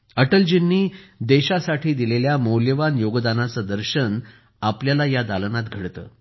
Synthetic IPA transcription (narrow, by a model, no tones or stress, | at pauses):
əʈəld͡ʑinːiːd̪eɕasaʈʰiːd̪ileljamowljəʋanjoɡd̪anat͡səd̪əɾɕən | apljalajad̪alənat̪ɡʱəɽt̪ə̰ː